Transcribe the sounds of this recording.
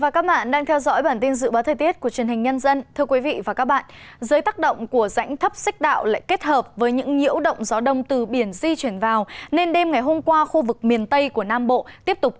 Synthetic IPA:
vaː˨˩kaː˦˥k̚ɓa̰ː˧˨nɗaː˧ŋt̪ʰɛ˧wzɔ̰˧˥jɓaː˧˩nt̪i˧nzɨ̰˧˨ɓaː˨˦wt̪ʰə˨˩t̪i˦˥ət̚ku˧˩ət͡ɕi˨˩ənhï˨˩ŋ̟ɲə˧nzə˧nt̪ʰɨ˧əkwi˨˦vḭ˧˨vaː˨˩kaː˦˥k̚ɓa̰ː˧˨nzəː˨˦jt̪aː˦˥k̚ɗə̰˧˨wŋ͡mku˧˩əza̰˧˥jŋ̟t̪ʰə˦˥p̚sa˦˥k̟̚ɗa̰ː˧˨wla̰ː˧˨jke˦˥t̚həː˨˩p̚vəː˨˦jɲɨ̰˧˥ŋɲḭ˧˥əwɗə̰˧˨wŋ͡mzaː˨˦wɗə̰˧˨wŋ͡mt̪ɨ˨˩ɓi˧˩ənzi˧t͡ɕwi˧˩ənvaː˨˩wne˧nɗe˧mŋa˨˩jɦo˧mkwaː˧xu˧vɨ˨˩k̚mi˨˩ənt̪ə˧jku˧˩ənaː˧mɓo̰˧˨t̪i˦˥əp̚t̪ʊ˨˩k͡p̚

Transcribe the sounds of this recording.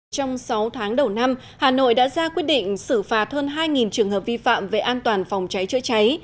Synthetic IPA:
t͡ɕɔ˧wŋ͡msa˨˦wt̪ʰaː˨˦ŋɗə˨˩wna˧m | haː˨˩no̰˧˨jɗa̰ː˧˥zaː˧kwi˦˥t̚ɗḭ˧˨ŋ̟sɨ˧˩faː˨˩t̚həː˧nɦaː˧jŋi˨˩nt͡ɕɨ˨˩əŋɦəː˨˩p̚vi˧fa̰ː˧˨mve˨˩ʔaː˧nt̪waː˨˩nfa˨˩wŋ͡mt͡ɕa˨˦jt͡ɕɨ̰˧˥ət͡ɕa˨˦j

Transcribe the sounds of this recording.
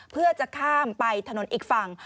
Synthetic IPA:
pʰɯ˥˩ɐət͡ɕa˨˩kʰaː˥˩mpa˧jt̪ʰa˧no˩˦nʔiː˨˩k̚fa˧ŋ

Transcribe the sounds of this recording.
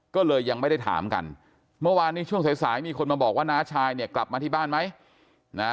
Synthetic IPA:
kɔː˥˩lɤː˧jːa˧ŋma˥˩jda˥˩jt̪ʰa̰ː˩˦mka̰˧n | mɯ˥˩ɐwaː˧nːiː˦˥t͡ɕʰu˥˩əŋsa˨˦jsaː˩˦jmiː˧kʰo˧nmaː˧bɔː˨˩k̚waː˥˩naː˦˥t͡ɕʰaː˧jni˥˩ɐkla˨˩p̚maː˧t̪ʰiː˥˩baː˥˩nma˦˥j | na˦˥

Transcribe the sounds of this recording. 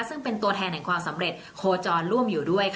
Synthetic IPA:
sɯ˥˩ŋpe˧nt̪u˧ət̪ʰɛː˧nːɛ˨˩ŋkʰwaː˧msa˩˦mɾe˨˩t̪̚kʰoː˧t͡ɕɔː˧nɾu˥˩əmjuː˨˩du˥˩əjkʰ

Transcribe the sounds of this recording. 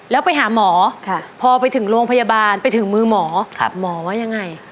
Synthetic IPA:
lɛː˦˥wpa˧jɦaː˩˦mɔː˩˦kʰpʰɔː˧pa˧jt̪ʰɯ˩˦ŋɾoː˧ŋpʰa˧jaː˧baː˧npa˧jt̪ʰɯ˩˦ŋmɯː˧mɔː˩˦kʰa˧˩p̚mɔː˩˦waː˦˥ja˧ŋːa˧j

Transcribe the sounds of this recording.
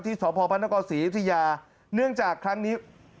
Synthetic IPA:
t̪ʰiː˥˩sɔː˩˦pʰɔː˧pʰa˦˥nːa˧kɔː˧siː˩˦ʔt̪ʰa˧jaː˧ | nɯ˥˩əŋt͡ɕaː˨˩kʰːɾa˦˥ŋniː˦˥

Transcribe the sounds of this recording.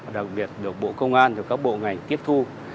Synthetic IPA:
ɗa˨˩k̚ɓi˨˩ət̚ɗɨ˨˩ək̚ɓo̰˧˨kə˧wŋ͡mʔaː˧nt̪ə˨˩kaː˦˥k̚ɓo̰˧˨ŋa˨˩jŋt̪i˦˥əp̚t̪ʰu˧

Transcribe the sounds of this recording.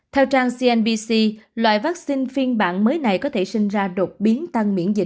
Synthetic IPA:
t̪ʰɛ˧wt͡ɕaː˧ŋsi˧ʔɛ˧nɓi˧si˧lwa̰ː˧˨jvaː˦˥k̚si˧nfi˧ənɓa̰ː˧˨nməː˨˦jna˨˩jkɔ˨˦t̪ʰe˧˩sï˧ŋ̟zaː˧ɗo˨˩t̚ɓi˨˦ənt̪a˧ŋmḭ˧˥ənzḭ˧˨

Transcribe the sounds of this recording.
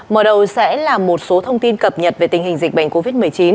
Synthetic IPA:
məː˨˩ɗə˨˩wsɛ̰˧˥laː˨˩mo˨˩t̚so˨˦t̪ʰə˧wŋ͡mt̪i˧nkə˨˩p̚ɲə˨˩t̚ve˨˩t̪ï˨˩ŋ̟ɦï˨˩ŋ̟zï˨˩k̟̚ɓa̰˧˩jŋ̟ko˧vi˦˥t̚mɨ˨˩əjt͡ɕi˨˦n

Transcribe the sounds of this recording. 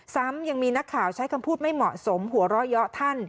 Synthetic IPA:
sa˦˥mja˧ŋmiː˧na˦˥kʰːaː˨˩wt͡ɕʰa˦˥jkʰa˧mpʰuː˥˩t̪̚ma˥˩jmɔ˨˩ʔso˩˦mɦu˩˦ɐɾɔ˦˥jɔ˦˥t̪ʰa˥˩n

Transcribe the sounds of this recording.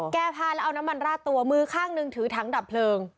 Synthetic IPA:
kɛː˧pʰaː˧lɛ˦˥ʔa˧wna˦˥mːa˧nɾaː˥˩t̪u˧ɐmɯː˧˥kʰaː˥˩ŋnɯ˧ŋt̪ʰɯː˩˦t̪ʰa˦˥ŋda˨˩pʰlɤː˧ŋ

